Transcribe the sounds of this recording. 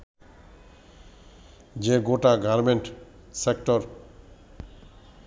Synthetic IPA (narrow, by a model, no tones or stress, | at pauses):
d͡ʑeɡoʈaɡaɾmeɳʈ | sekʈɔɾ